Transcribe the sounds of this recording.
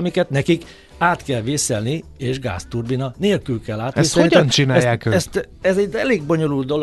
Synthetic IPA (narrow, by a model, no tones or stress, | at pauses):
mikɛt̪nɛkik | aːt̪kɛlʋeːsɛlnieːʒɡa̰ːst̪urbinɒneːlkylkɛlːaːt̪ʋeːsɛloniɟ̪ɛnt͡ʃinaːjjaːkøɛst̪ | ɛzɛɟɛleːɡbo̞ɲo̞luld̪d̪o̞l